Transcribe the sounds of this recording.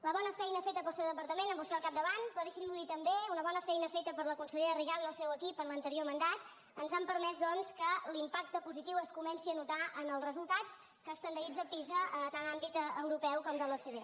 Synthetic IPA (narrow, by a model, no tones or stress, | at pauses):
ləβ̞ɔnəfɛjnəfet̪əpəlˠsɛwðəpəɾt̪əmenəmbust̪alˠkap̚d̪əβanpɾɔðeʃimmuðit̪əmbeunəβ̞ɔnəfɛjnəfet̪əpəɾləkunsəʎeɾəriɣalˠnəlˠsɛwəkipənlənt̪əɾiomənd̪at̪ | ənzampəɾmɛzd̪ɔnskəlimpak̚t̪əpuzit̪iwəskumɛnsiənut̪aənəlˠzrəzulˠt̪at͡s | kəːst̪ənd̪əɣizəpizəət̪anambit̪əwɾupɛwkɔmd̪əlˠəseðe